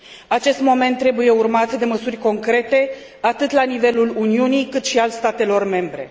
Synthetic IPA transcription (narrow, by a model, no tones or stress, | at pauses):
at͡ʃe̞st̪mo̞me̞nt̪ːɾe̞buje̞urmat̪d̪e̞məsurʲko̞ŋkɾe̞t̪e̞ | at̪ɨt̪lanive̞luluniunijkɨt̪ʃialst̪at̪e̞lo̞rme̞mbɾe̞̰